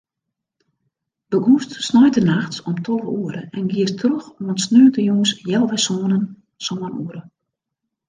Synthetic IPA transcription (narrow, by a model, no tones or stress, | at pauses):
bəɡustsnɔjtənaxtɔmtʰɔvəuəɾəʔɛnɡiətrøxomənsnøːtəjuŋəsjɛlˠʋɛsoːnən | soːənuəɾə